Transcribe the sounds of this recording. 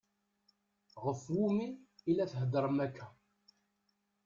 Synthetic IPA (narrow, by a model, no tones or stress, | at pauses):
ʁəfwumiːlːæθɦəd̪əɾˤəmækːæ